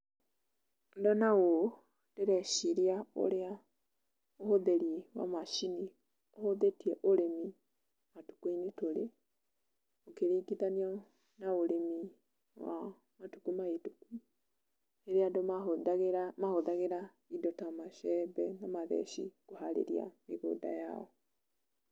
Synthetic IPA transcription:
ndɔnaɣo | deɾɛʃiɾiao̰ɾea | ohoðeɾiwa̰maʃini | ohoðetiɛʔoɾemi | matu̥kwinitoɾe | okeɾiːɡiðaniɔ | naoɾemi | wa̰ | matukumaituku | eɾeadɔɣɾmahoðaɣeɾa | idɔtamaʃɛbɛnamaðɛ̰ʃḭkoɦaɾḛɾia̰meɣo̰da̰ja̰ɔ

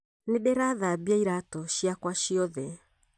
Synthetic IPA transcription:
nedɛɾaðabiaiɾatɔʃiakwaʃiɔðɛ

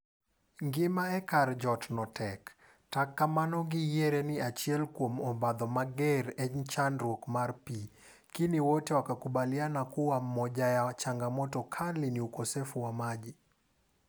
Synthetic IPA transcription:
ŋɡɪmaɛkard͡ʒɔtnɔtʰɛk | takːamanɔɡɪjeɾenɪat͡ʃjɛlkwomɔbad̪ɔmaɡɛɾɛt͡ʃanɾwokmarpi | kiniwotewakakubalɪanakuwamɔd͡ʒajat͡ʃaŋɡamɔtɔkʰalɪniukosefuwamad͡ʒi

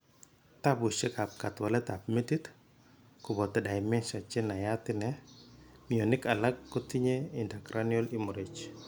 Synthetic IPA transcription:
t̪abusekap̚kat̪walɛt̪ap̚metit̪ | kʊbɔt̪ːɛdajmɛnsat͡ʃenajat̪ɪnɛ | mionɪkalakːɔtiɲeindakɾʔanjɔlimuɾit͡ʃ

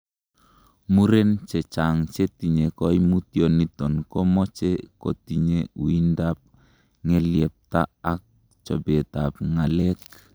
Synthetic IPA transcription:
muɾent͡ʃet͡ʃaŋt͡ʃetiɲekojmutionitonkomot͡ʃeko̰tiɲeuindap̚ | ŋeliep̚ta̰ːk̚ | t͡ʃo̰betap̚ŋalek̚

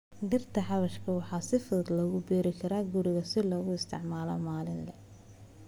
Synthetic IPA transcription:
ɖɪrt̪ʰɐħɑβɐʃkʰɐwɑħɑːsɪfʊðɐd̪lɐɣʊbiːɾɪkʰɐɾɐːɡʊɾɪɣɐsɪlɔːɣʊɪst̪ʰɪ̰ʕmaːlɔ̰maːlɪnlɛ

